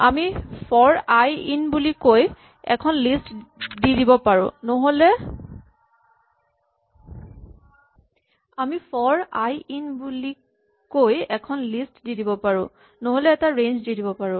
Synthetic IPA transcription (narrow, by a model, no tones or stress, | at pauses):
amipʰɔɹajinbulikoj | ɛ̰kʰɔnlistdidibɔpaɹʊ̰̃noɦolɛ | amipʰɔɹajinbuli | kojɛkʰɔnlistdidibɔpaɹʊ̃ | noɦolɛːtaɹẽnd͡ʒdidibɔpaɹʊ̃